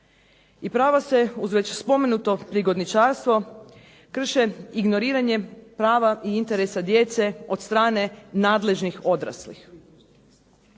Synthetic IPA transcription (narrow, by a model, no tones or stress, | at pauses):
ipɾaːʋase̞uzʋe̞t͡ɕspo̞me̞nuːt̪o̞pɾiɡo̞d̪nit͡ʃaːɾst̪ʋo̞ | kr̩ʃeiɡno̞ɾiːɾaɲe̞pɾaːʋaʔiint̪e̞ɾesad̪je̞t̪se̞o̞t̪st̪ɾaːne̞naːd̪le̞ʒnixo̞d̪ɾa̰slḭx